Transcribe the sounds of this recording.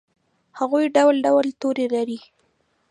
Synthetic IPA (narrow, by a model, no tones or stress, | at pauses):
haɣujɖawlɖawlt̪oɾelaɾi